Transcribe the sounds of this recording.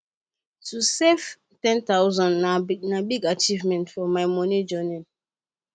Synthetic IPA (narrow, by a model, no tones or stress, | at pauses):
tusef | tɛ̃ntawzãnnanabiɡat͡ʃivmɛ̃ntfɔmaɪmɔnid͡ʒɔnĩn